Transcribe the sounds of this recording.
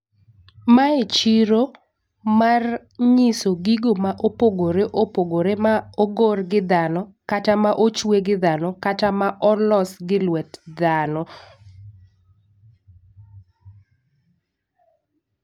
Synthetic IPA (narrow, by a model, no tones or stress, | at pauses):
maet͡ʃiɾo | mar | ɲɪsoɡiɡomaʔopoɡoɾeʔopoɡoɾemaoɡorɡɪd̪anɔkatamaʔot͡ʃweɡɪd̪anɔkatamaʔɔlɔsɡɪlwɛtd̪anɔ